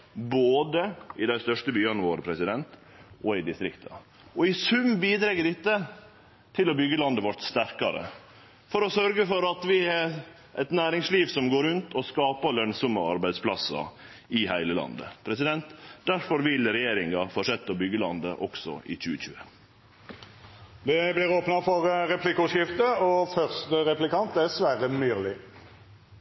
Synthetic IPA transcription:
boːd̪əɪd̪æɪst̪œʂʈəbyːɑnəʋoːɾpʰɾɛsɪd̪ɛnt̪ | ʔɔɪd̪ɪst̪ɾɪkt̪ʰɑ̰ | ɔɪsʉmbiːd̪ɾɛɡəɖɪt̪ːə | t̪ʰɪlɔbʏɡːəlɑnd̪əʋɔʈst̪æɾkɑɾə̰ | fɔɾɔsœɾɡəfɔɾɑt̪ʋɪɛɾ | ʔɛt̪næːɾɪŋsliːʋsɔmɡoːɾʉnt̪ʰɔskɑːpɑlœnsɔmɑɑɾbæɪd̪spʰlɑsɑ̰ | ɪhæɪləlɑ̰nd̪ə̰pʰɾɛsɪd̪ɛnt̪d̪æɾfɔɾʋɪlɾɛjeːɾɪŋɑfɔʂɛt̪ːɔbʏɡːəlɑnd̪əʔɔksɔ̰ʔɪ̰çʉ̰ːəçʉ̰ːə | d̪ɛblɪʁoːpnɑfɔʁɾɛpʰlɪkʊʂɪft̪əɔfœʁst̪əʁɛplɪkʰɑnt̪æsʋæːʁəmyːʁlɪ

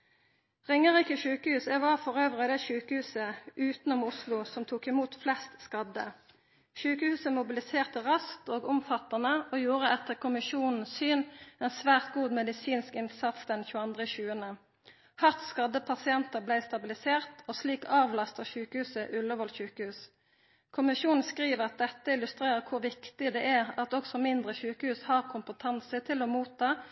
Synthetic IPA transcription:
ʁɪŋːəʁiːkəʃʉːkəhʉːsɛʋɑʁfɔʁøːʋʁəd̪ɛːʃʉːkəhʉːsəʔʉːt̪n̩ʊmʊslʊsɔmt̪ʰuːkɪmuːt̪flɛst̪skɑd̪ə̰ | ʃʉːkəhʉːsəmʊbɪlɪseːʁt̪əʁɑskt̪oːɡʊmfɑt̪ɑnəoːjuːʁəɛt̪ːəʁkʰʊmɪʃuːnn̩ssyːnɛːnsʋæːʁt̪ɡuːd̪mɛd̪ɪsiːnskɪnsɑt̪sd̪ɛnçʉːəɑnd̪ʁəçʉːənə | hɑt̪skɑd̪əpʰɑsɪɛnt̪əblæɪst̪ɑbɪlɪseːʁt̪osliːkʰɑːʋlɑst̪əʁçʉːkəhʉːsəʔʉlːəʋɔlçʉːkəhʉːs | kʰʊmɪʃuːnn̩skʁiːʋəʁɑt̪̚d̪ɛt̪ːəɪlʉst̪ʁeːʁəʁkʰʊʁʋɪkt̪ɪd̪ɛːʔæʁɑt̪ɔksɔmɪnd̪ʁəçʉːkəhʉːshɑːʁkʰʊmpət̪ʰɑnsət̪ʰɪlɔmuːt̪ʰːɑː

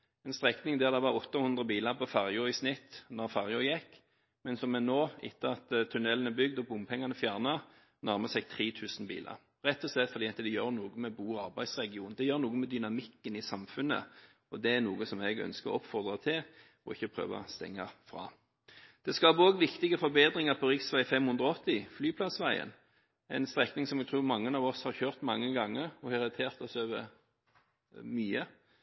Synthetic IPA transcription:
ɛnst̪ʁɛknɪŋd̪æʁd̪ɛʋɑʁɔt̪ːɑhʊnd̪ʁəbiːlɑʁpʰɔfæʁjuʁɪsnɪt̪ːnɔʁfɑʁjʉjɛkː | mɛnsɔmɛnoːɪ̰t̪ːəɑt̪t̪ʰːʉnɛlːənɛbʏɡd̪ɔbʊmpʰɛŋːɑnəfjæʁnɑ | næʁməsɛɡ̚t̪ʰʁiːt̪ʰʉːsn̩bḭːlɑ̰ʁ | ɾɛt̪ːɔslɛt̪ːfɔd̪iːɑt̪ːəd̪ɛjøːʁnuːɡəmɛbuːɑʁbæɪsʁɛɡɪuːnnd̪ɛjøːɾnuːɡəmɛd̪ʏnɑmɪkːənɪsɑmfʉnːə̰ | ɔd̪ɛæɾnuːɡəsɔmɛɡœ̰nskəɾɔ̰ɔpfɔʁd̪ɾɑt̪ʰɪl | ɔɪçːəpʰɾø̰ːʋɑ̰st̪ɛ̰ŋːɑfɾɑ̰ː | d̪̥ɛskɑːbəɔːɡʋɪkt̪ɪɡəfɔɾbeːd̪ɾɪŋɑɾpʰɔɾɪksʋæɪfɛmhʉnd̪ɾɔɔt̪ːɪflyːpʰlɑsʋæɪə̰n | æɪnst̪ɾɛknɪŋsɔmɛɡ̚t̪ʰuːʁmɑŋːənɑːʋɔshɑɾçøːɾt̪mɑŋːəɡɑŋːəɾɔhɑɾɪt̪ʰeːɾt̪ɔsøːʋə̰ɾ | myːə

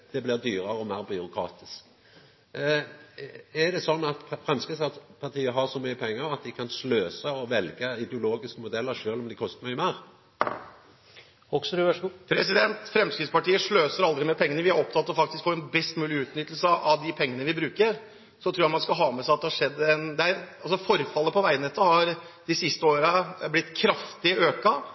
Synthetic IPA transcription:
d̪̥ɛblɪʁd̪yːɾəʁəɔmæːʁbʏʊkʰɾɑ̰ːt̪ɪsk | ɛd̪ɛsɔnːɑt̪fʁɛmskəsɑpʰɑʁʈʰiːəɦɑɾsɔmyːəpʰɛŋːəɾɑt̪̚d̪ɪkʰɑnsløːsəɔʋɛlɡəɪd̪ɛʊloːɡɪskəmʊd̪ɛlːəɾʃøːlɔmd̪ɪkʰɔst̪əmœəmæːʁ | ɔkspʰɾɛsɪd̪ɛnt̪fɾɛmskɾɪspɑʈiːəʂɭøːsəɾɑld̪ɾɪmeːpʰɛŋːənəʋɪæɾɔp̚t̪ʰɑt̪ːɔfɑk̚t̪ɪskfoːɾɛnbɛst̪mʉːlɪʉːt̪nʏt̪ːl̩səɑʋd̪ɪpʰɛŋːənəʋɪbɾʉːkəɾ | sɔt̪ʰɾuːjɑtmɑnskɑɦɑːmɛsæɪɑt̪̚d̪ɛhɑʂɛd̪ːəɛnd̪ɛæɾɑlsɔfɔɾfɑlːəpʰɔʋæɪnɛt̪ʰːəhɑɾ | d̪ɪsɪst̪əoːɾəblɪt̪ːkʰɾɑft̪ɪəøːkɑ

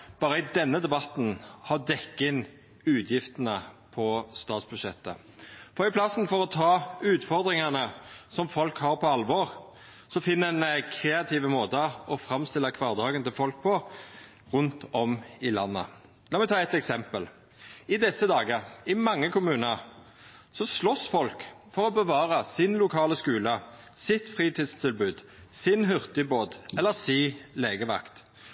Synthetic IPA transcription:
b̥ɑːɾəɪd̪ɛnːəd̪ɛbɑt̪n̩hɑd̪ɛkːɪn | ʉːt̪ʰjɪft̪ənəpʰɔst̪ɑːt̪sb̥ʉʂɛt̪ːə̰ | fɔɾɪpʰlɑsnfɔʁɔt̪ʰɑːʉːt̪fɔʁd̪ɾɪŋɑnəsɔmfɔlkhɑɾpʰɔɑlʋɔʁ | sɔfɪnːəɛnkʰɾeːɑt̪ʰiːʋəmoːt̪əɔfɾɑmst̪ɪlːəkʰʋɑːʁd̪ɑːɡənt̪ɪlfɔlk̚pʰɔ | ʁʉnt̪ɔmɪlɑnːə̰ | lɑːmɛɪt̪ʰɑːɛt̪ɛksɛmpəl | ɪd̪ɛsːəd̪ɑːɡəʁɪmɑŋːəkʰʊmʉːnəɾ | sɔslɔsfɔlkfɔʁɔbəʋɑːɾəsɪnlʊkʰɑːləskʉːlə | sɪt̪fʁiːt̪ʰɪːd̪st̪ʰɪlbʉːd̪ | sɪnɦʉʁt̪ɪboːd̪ɛlːəʁsiːleːɡəʋɑ̰kt̪

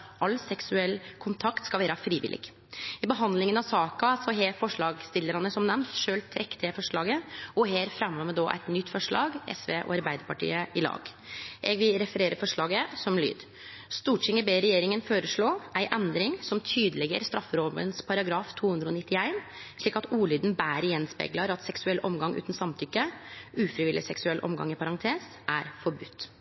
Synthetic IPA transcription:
ɑlːsɛksʉɛlːkʰʊnt̪ʰɑkt̪skɑʋeːɾəfɾiːʋɪ̰lʔɪ̰ɡ | ɪbəɦɑnd̪lɪŋənɑʋsɑːkɑsɔɦeːɾfɔʂɭɑːɡst̪ɪlːəɾɑnəsɔmnɛmt̪ʂøːlt̪ʰɾɛkːt̪ʰɪfɔʂɭɑːɡəɔɦeːɾfɾɛmːɔmɛd̪ɔːʔæ̰ɪt̪nʏt̪ːfɔʂɭɑ̰ːɡɛ̰sʋeːʔɔ̰ɑɾbæɪd̪əɾpɑʈḭːəɪlɑ̰ːɡʔɛɡʋɪlɾɛfəɾeːɾəfɔʂɭɑːɡəsɔmly̰ːd̪ | st̪uːʈt͡ʃɪŋəbeːɾɛjeːɾɪŋənføːɾəʂɭoːʔæɪʔɛnd̪ɾɪŋsɔmt̪ʰyːd̪əlɛɡə̰ɾst̪ɾɑfːəɾoːʋə̰nspʰɑɾɑɡɾɑːft̪ʰuːhʉnd̪ɾəɔnɪt̪ːɪæɪnʂɭiːkɑt̪uːlyːd̪n̩bæːɾjɛnspɛ̰ːɡlɑɾɑt̪sɛksʉɛlʔɔmɡɑŋʔʉ̰ːt̪n̩sɑmt̪ʰʏkːəʉːfɾɪʋɪlːɪsɛksʉɛlʔɔ̰mɡɑ̰ŋɪpʰɑɾɑŋt̪ʰeːs | ʔæɾfɔɾbʉt̪ː

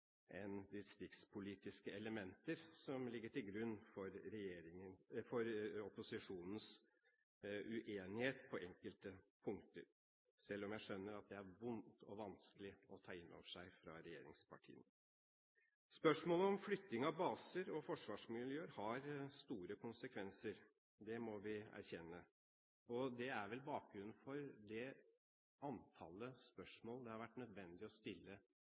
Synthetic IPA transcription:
ʔɛnʋɪst̪ɪkspʰʊliːt̪ɪskəɛləmɛnt̪əɾsɔmlɪɡːəʈɪlɡɾʉnːfɔɾɾɛjeːɾɪŋənfɔɾɔpʊsɪʂuːnn̩s | ʉʔeːnɪheːt̪pʰɔʔɛŋkəlt̪əpʰʊŋkt̪ə̰ɾ | sɛlːɔmjæɪʂœnːəɾɑt̪̚d̪ɛæɾʋʊnt̪ʰɔʋɑnskəlɪɔt̪ʰɑːɪnːɔ̰ʋəʂæɪfɾɑ̰ɾɛjḛːɾɪ̰ŋspʰɑ̰ʈʰḭːən | spœʂmoːləɔmflʏt̪ːɪŋɑʋbɑːsəɾɔfɔʂʋɑːʂmɪljøːəɾhɑɾst̪uːɾəkʰʊnsəkʰʋɛnsəɾ | d̪ɛmɔʋɪæ̰ɾçɛnːə | ɔd̪ɛæɾʋɛlbɑːk̚ɡɾʉnn̩fɔɾd̪ɛ | ɑnt̪ʰɑ̰ːləspœʂmoːld̪ɛhɑɾʋæʈːnœd̪ʋɛnd̪ɪɔst̪ɪlːə

